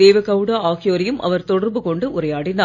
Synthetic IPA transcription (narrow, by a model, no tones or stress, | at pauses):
eːʋɐkɐʋɽɐːaːɣɪjoːɾɪjɯmʔɐ̰ʋɐɾt̪ɔɽɐɾbɯkɔɳɖɯʔʊɾɐjaːɽɪnaː